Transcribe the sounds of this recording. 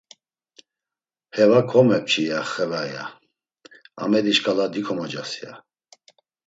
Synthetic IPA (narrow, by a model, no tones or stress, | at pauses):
hɛvakʰɔmɛp̚t͡ʃʰʼijaχɛvaja̰ | a̰mɛd̪iʃkʰʼalad̪ikʰɔmad͡ʒasia̰